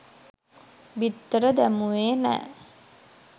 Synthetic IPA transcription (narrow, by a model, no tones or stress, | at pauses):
bit̪ːəɾəd̪æmuʋeːnæ̰ː